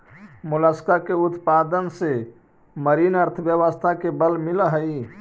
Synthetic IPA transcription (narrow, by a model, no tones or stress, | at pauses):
mʊləskakeʊt̪pad̪ənse | məɾiːnəɾt̪ʰəʋjəʋəst̪ʰakebəlmɪlɦəi